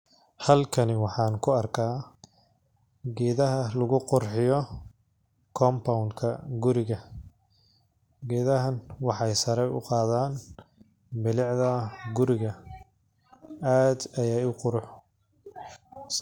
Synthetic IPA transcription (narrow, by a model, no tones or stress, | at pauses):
hɐlkʰɐnɪwɑħɑːnkʰʊɐrkʰaː | ɡɛːðɐɦɐlɐɣʊqʊrħɪjɔ | kʰɔːmpʰawnkʰɐɡʊɾɪɣɐ | ɡɛːðɐɦɐnwɑħɑjsɐɾɛjʊ̰qɑːðaːn | bɪlɪʕðɐɡʊɾɪɣɐ | aːd̪ɐjaːjʊqʊɾʊħ